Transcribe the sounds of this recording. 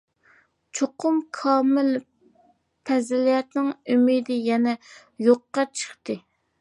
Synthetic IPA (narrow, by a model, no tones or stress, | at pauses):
t͡ʃʰoqʰʊmkʰɑːmɪl | pʰɛzɪlijɛt̪nɪŋymid̪ɪjɛnɛ | joqːɑt͡ʃʰə̥χt̪ɨ